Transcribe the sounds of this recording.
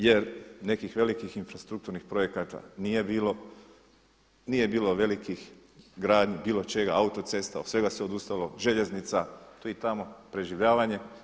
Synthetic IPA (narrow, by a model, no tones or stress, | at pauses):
je̞ɾne̞kixʋe̞likixinfɾast̪ɾukt̪uɾnixpɾo̞je̞kat̪a̰nije̞biːlo̞ | nije̞biːlo̞ʋe̞likix | ɡɾaːd̪ɲibiːlo̞t͡ʃe̞ɡaaut̪o̞t̪se̞st̪aosʋe̞ɡaseo̞d̪ust̪alo̞ʒe̞ʎe̞znit̪sat̪ojit̪amo̞pɾe̞ʒiʋʎaːʋaɲe̞